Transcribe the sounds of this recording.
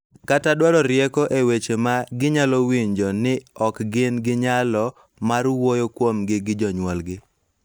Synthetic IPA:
katadwaɾɔɾjɛkɔʔewet͡ʃemaɡɪɲalɔwiɲd͡ʒɔnɪɔkɡɪnɡɪɲalɔ | marwojokwomɡɪɡɪd͡ʒɔɲwɔlɡɪ

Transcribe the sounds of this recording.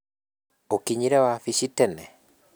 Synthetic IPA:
okiɲiɾɛwafiʃitɛnɛ

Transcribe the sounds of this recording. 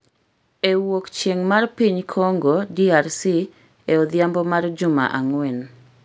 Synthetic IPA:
ewokt͡ʃjeŋmarpiɲkʰoŋɡodiarsi | eod̪ɪjambɔmard͡ʒʊma̰ʔaŋwɛn

